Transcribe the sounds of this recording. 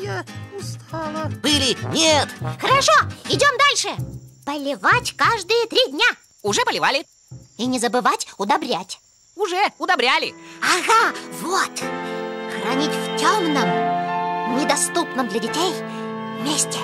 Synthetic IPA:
jaʊst̪ʰalˠəb̥ɨlʲɪnʲet̪xəɾɐʂoɪdʲo̞md̪alʲʂɨpəlʲɪvatʲkaʐd̪ɨjət̪ɾʲidʲnʲa | ʊʐɛpəlʲɪvalʲɪ | inʲɪzəbɨvatʲʊd̪ɐbɾʲætʲ | ʊʐɛʊd̪ɐbɾʲalʲɪ̰aɣavot̪ | xɾɐnʲitʲftʲomnəm | nʲɪd̪ɐst̪upnəmd̪lʲɐdʲɪtʲej | mʲesʲtʲɪ

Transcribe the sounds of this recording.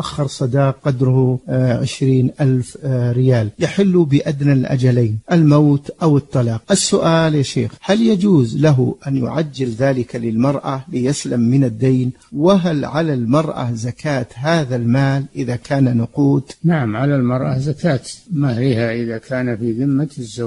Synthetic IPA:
ʔaxːɑɾˤsˤɑd̪ɑːq̚qɑd̪ɾʊhʊʕɪʃɾiːnʔalfɾɪjaːljaħɪlːubɪʔad̪nalʔa̰d͡ʒalaːnʔalmaːt̪ʔawɨt̪ˤːɑlɑːqʔasːʊʔaːljaʃḛːxhaljad͡ʒuːzlaɦʊʔanjʊ̰ʕad͡ʒːɪlðaːlɪkalɪlmɑɾˤʔalɪjaslamːɪnad̪ːajn | wɪɦalʕalalmɑɾˤʔa̰zakaːt̪ɦaːðalmaːlʔɪðakʰaːnanʊquːd̪naʕamʕalalmɑɾˤʔazakaːt̪mahɾɪhaʔɪðakʰaːnafiðɪmːazːaw

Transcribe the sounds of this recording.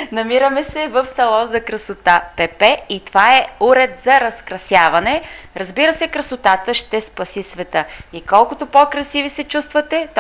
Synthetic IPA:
nɐmiɾəmɛsɛvəfsɐlˠɔzɐkɾɐsot̪apɛpɛit̪ovaɛuɾɛd̪zɐɾɐskɾɐsjavɐnɛɾɐzbiɾəsɛkɾɐsot̪at̪əʃt̪ɛspɐsisvɛt̪əikɔlˠkʊt̪opokɾɐsivisɛt͡ʃust̪vɐt̪ɛt̪

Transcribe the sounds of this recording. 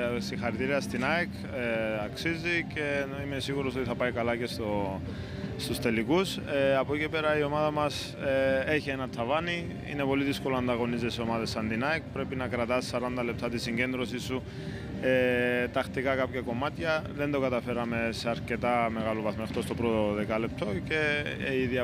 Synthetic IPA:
sixɐɾit̪iɾiɐst̪inɐekʰ | eɐksizice̞ | ime̞siɣuɾo̞so̞t̪iθɐpɐikɐlɐce̞st̪o | st̪ust̪e̞lːikus | eɐpoicepe̞ɾɐio̞mɐðɐmɐs | ee̞çie̞nɐt̪ʰːɐvɐni | ḭne̞po̞liðisko̞loɐnd̪ɐɣo̞nizesio̞mɐðesːɐnd̪inɐek̚pɾe̞pinɐkɾɐt̪ɐsːɐɾɐnd̪ɐle̞p̚t̪ɐt̪isiɲɟe̞nd̪ɾo̞sisːu | et̪ɐxt̪ikɐkɐpçɐko̞mɐt̪çɐðe̞nd̪o̞kɐt̪ɐfe̞ɾɐme̞se̞ɐɾce̞t̪ɐme̞ɣɐlo̞vɐθmoxt̪o̞st̪o̞pɾot̪o̞ðe̞kɐle̞p̚t̪ʰo̞ce̞iðiɐ

